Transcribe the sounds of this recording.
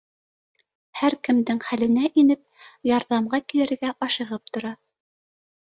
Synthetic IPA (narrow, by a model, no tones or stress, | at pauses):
hæɾkɘ̆md̪ɘŋχælɘ̆næʔinɘp̚jɑɾðɑmʁɑkilɘ̆ɾɡæʔɑʃɤ̆ʁɤp̚t̪ŏɾɑ